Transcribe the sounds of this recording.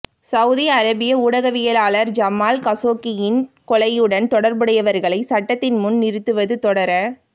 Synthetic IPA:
sɐwʊðiɐɾɐbɪjɐuːɽɐɣɐʋɪjɐlaːlɐɾd͡ʒɐmːaːlkɐsoːkɪjɪnkɔɭɐjɯɽɐnt̪ɔɽɐɾbɯɽɐjɐʋɐɾɣɐɭɐɪsɐʈːɐt̪ːɪnmʊnnɪɾɯt̪ːɯʋɐðɯt̪ɔɽɐɾɐ

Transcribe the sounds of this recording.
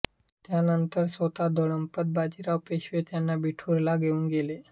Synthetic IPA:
t̪janənt̪əɾsot̪ad̪ʱoɽəmpət̪̚bad͡ʑiɾaʋpeɕʋet̪janːabiʈʰuɾlaɡeuːnɡele

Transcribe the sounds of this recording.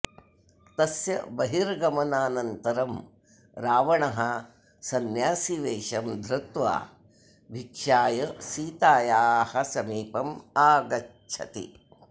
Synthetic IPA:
t̪ɐsjɐbɐɦiɾɡɐmɐnaːnɐnt̪ɐɾɐm | ɾaːʋɐɳɐɦɐ | sɐnjaːsiʋeːʃɐmd̪ʱɾɨt̪ʋa̰ː | bʱikʂaːjɐsiːt̪aːjaːhɐsɐmiːpɐmaːɡɐtt͡ʃʰɐ̰t̪ḭ

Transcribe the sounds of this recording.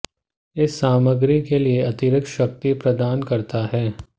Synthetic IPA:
ɪsːaːməɡɾikelieɐt̪iɾəkʃɐk̚t̪ipɾɐd̪aːnkɐɾt̪aɦɛː

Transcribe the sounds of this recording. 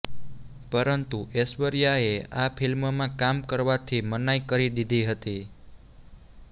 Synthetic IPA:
pəɾənt̪uesʋəɾjaeapʰilmmãkamkəɾʋat̪ʰimənajkəɾid̪id̪ʱiɦət̪i

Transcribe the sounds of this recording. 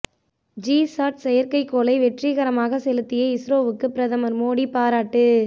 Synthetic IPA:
d͡ʒiːsaːʈ̚sɛjɐɾkɐɪkːoːlɐɪʋɛʈriɣɐɾɐmaːɣɐsɛlɯt̪ːɪjɐɪsɾoːʋɯkːɯpɪɾɐðɐmɐɾmoːɽipaːɾaːʈːɯ

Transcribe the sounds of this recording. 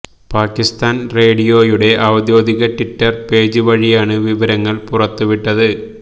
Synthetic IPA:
paːkːist̪aːnre̞ːɽijo̞ːjuɽe̞ʔɐʋd̪jo̞ːd̪iɣɐʈiʈːɐrpe̞ːd͡ʑɨʋɐɻijaːɳɨʋiʋɐɾɐŋːɐɭpurɐt̪ːuʋiʈːɐðɨ

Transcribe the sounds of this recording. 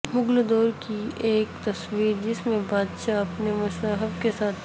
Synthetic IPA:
mʊɡld̪ɔːɾkieːkt̪ɐswiːɾd͡ʒɪsmẽbaːd̪ʃaɐpnemʊst̪aːɦɪbkesaːt̪ʰ

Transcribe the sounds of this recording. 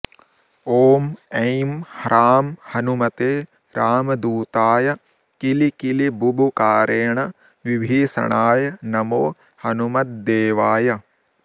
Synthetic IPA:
oːmɐ̃jmhɐɾaːmhɐnumɐt̪eː | ɾaːmɐd̪uːt̪aːjɐ | kilikilibubukaːɾeːɳɐ | ʋibʱeːsɐ̰ɳaːjɐnɐmoː | hɐnumɐt̪̚d̪eːʋaːjɐ

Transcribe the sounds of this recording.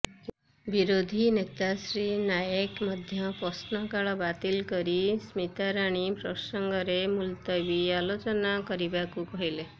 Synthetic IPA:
biɾod̪ʱinet̪asɾinajekmɔd̪ʱjɔpɔsnɔkaɭɔbat̪ilkɔɾismit̪aɾaɽ̃ipɾɔsɔŋɡɔɾemult̪ɔbialot͡ʃɔnakɔɾibakukɔɦile

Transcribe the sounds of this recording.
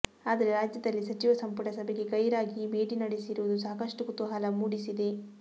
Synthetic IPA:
aːd̪ɐɾe̞ɾaːd͡ʒjɐd̪ɐlːisɐt͡ʃiʋɐsɐmpuʈɐsɐbeɡe̞kɐjɾaːɡibe̞ːɖinɐɽesiɾuʋud̪usaːkɐʂʈukut̪uɦaːlɐmuːɽisid̪e̞

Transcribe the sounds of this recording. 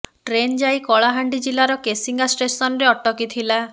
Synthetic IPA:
ʈɾend͡ʒajkɔɭaɦaɳɖid͡ʒilaɾɔkesiŋɡasʈesɔnɔɾeɔʈːɔkit̪ʰila

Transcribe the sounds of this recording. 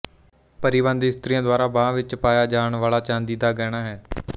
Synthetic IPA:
pəɾɪʋə̃nd̪ɪst̪ɾiːjãːd̪waːɾaːbãːʋɪt͡ʃpaːjaːd͡ʒaːɳʋaːlaːt͡ʃãːnd̪iːd̪aːɡɛːɽ̃aːɦɛː

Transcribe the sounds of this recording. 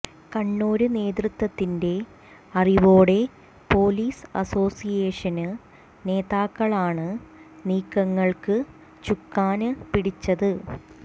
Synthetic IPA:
kɐɳːoːɾɨne̞ːd̪rɨt̪ːwɐt̪ːinde̞ | ɐriʋo̞ːɽe̞ | po̞ːliːsɐ̰so̞ːsijeːʂɐnɨ | ne̞ːðaːkːɐɭaːɳɨniːkːɐŋːɐɭkɨ | t͡ɕukːaːnɨpiɽit͡ɕːɐðɨ

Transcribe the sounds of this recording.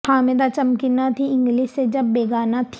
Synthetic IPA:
aːmɪd̪at͡ʃɐmkɪnat̪ʰiɪ̃ŋɡlɪʃsed͡ʒɐbːeːɡaːnat̪ʰ

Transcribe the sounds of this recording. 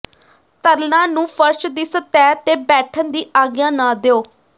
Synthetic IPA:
t̪əɾlãːnũːpʰəɾʃd̪iːsət̪ɛːt̪eːbɛːʈʰənd̪iːʔaːɡjãːnãːd̪eoː

